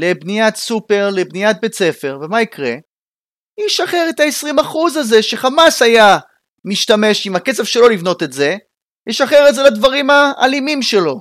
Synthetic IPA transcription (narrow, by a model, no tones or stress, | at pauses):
le̞bnijat̪supe̞ʁle̞bnijat̪̚be̞t͡se̞fe̞ʁve̞maikʁe | iʃaχe̞ʁet̪aesʁimaχuzaze̞ʃe̞χamasaja | miʃtame̞ʃimake̞t͡sev̥ʃe̞lo̞livno̞t̪etze̞ | jiʃaχeʁezelad̪vaʁima̰ːlimimʃe̞lo̞